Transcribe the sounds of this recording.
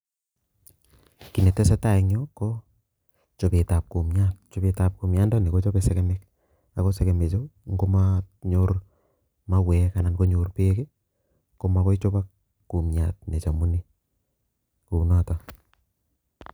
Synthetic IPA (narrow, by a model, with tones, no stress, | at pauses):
ki˨nɛ˨tɛ˦sɛ˦ta˦˨ɛ˨ɲo˦kɔ˦ | t͡ʃɔ˨pe˨ta˨p̚ku˨mɲa˦t̚t͡ʃɔ˨beta˨p̚ku˨mja˦nda˦ni˨ko˦t͡ʃɔ˦besɛ˨kɛ˦mɛ˦k̚ | a˨ko˦sɛ˨kɛ˨me˨t͡ʃo˦ŋɡo˦ma | ɲoɾ | ma˦wɛ˨ka˨na˨nko˦ɲo˨ɾpe˦ke˦ | ko˦ma˨kɔ˦i˦t͡ʃo˦ba˦kː | u˨mɲa˨t̚nɛ˨t͡ʃa˨mu˦ni˦ | ku˨nɔ˦ta˨